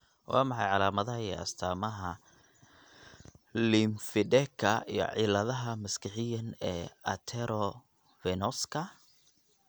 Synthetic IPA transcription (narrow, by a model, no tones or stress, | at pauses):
wʔɑ̰ːmɑħɑjʕɑlaːmɐðɐɦɐɛɐ̰st̪ʰaːmɐɦɐ | lɪmfɪdɛkʰːɐijɔ̰ʕɪlɐðɐɦɐmɐskɪħɪjɐnɛːɐ̰t̪ʰɛɾɔ | vɛnɔskʰɐ